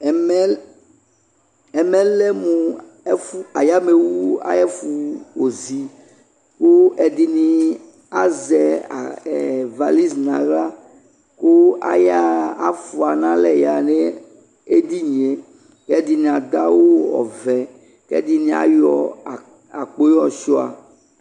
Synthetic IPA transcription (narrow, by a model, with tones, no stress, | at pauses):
mɛ˦ | ɛ˨mɛ̃˦lɛ˦mũ˨˦ | fu˦a˨ja˦me˨wu˦a̰˦jɛ˦fu˨wo˨zi˨ | ko˦ɛ˨d̪i˦nĩ˨ | a˨zɛ˨ | va˨li˦znã̰˨la˦ | ko˦a̰˨ja˦a˦˨fu˨a˨nã˦lɛ˨ja˨ne˦ | e˦d̪i˦ɲ˨e˨ | kɛ˦d̪i˦nĩ˨a˨d̪a˦wo˦ɔ̰˨vɛ˨ | kɛ̰˦d̪i˦nĩ˦a̰˦jɔ˨ | a̰˨k͡po˦jɔ˦˨ʃɔ˦a̰˨